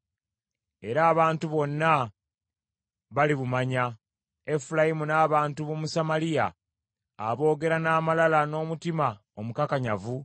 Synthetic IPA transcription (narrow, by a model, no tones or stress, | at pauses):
e̞ɾaːβaːntuβo̞nːa | βaliβumaɲa | e̞fulajimunaːβaːntuβomusamalija̰ː | βo̞ːɡe̞ɾanaːmalalano̞ːmutima | o̞mukakaɲavu